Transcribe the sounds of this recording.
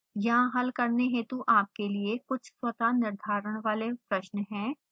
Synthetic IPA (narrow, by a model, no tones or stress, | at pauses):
jɐɦãɦɐlkɐɾneɦɛ̃t̪oʔaːp̚keliekʊt͡ʃʰswɐt̪anɪɾd̪ʱaːɾəɽ̃ʋaːlepɾɐʃnɦɛ̃ː